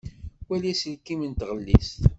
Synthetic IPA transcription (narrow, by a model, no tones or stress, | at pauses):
wælisəlkimnt̪ʁəlːist̪